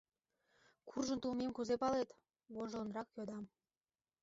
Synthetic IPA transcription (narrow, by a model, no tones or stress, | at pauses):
kurʒə̆nt̪ulmemkuzepɑlet̪ | βoʒlə̆nrɑkjod̪ɑm